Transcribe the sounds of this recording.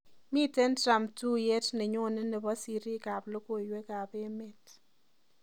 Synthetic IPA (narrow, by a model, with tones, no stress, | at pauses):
mi˦˨te˦ntɾa˨mtu˦je˦tnɪ˨ɲo˦˨nɪ˦nɛ˨bɔ˦si˨ɾi˦ka˨blo˦ko˦˨jwe˦ka˨be˦me˦t